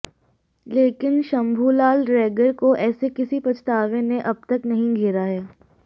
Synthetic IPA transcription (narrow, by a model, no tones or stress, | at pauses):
leːkɪnʃɐ̃mbʱuːlaːlɾɛːɡəɾkoʔɛːsekɪsipɐt͡ʃt̪aːʋẽneʔɐb̚t̪ɐknɐɦĩɡʱeːɾaɦɛː